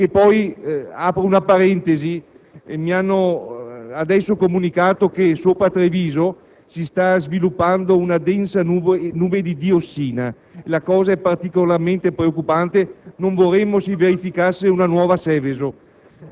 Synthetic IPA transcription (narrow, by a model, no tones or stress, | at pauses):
kepːɔjaːpɾounapaɾɛnt̪ezi | ḛmianːo | ad̪ɛsːokomunikaːt̪okesoːpɾat̪ːɾeviːzo | sist̪azvilupːand̪ounad̪ɛnsanunuːbed̪id̪iosːiːna | elakɔːzaɛpart̪ikolarment̪epɾeokːupant̪enoɱvorɛmːosiveɾifikasːeunanwɔːvasɛvezo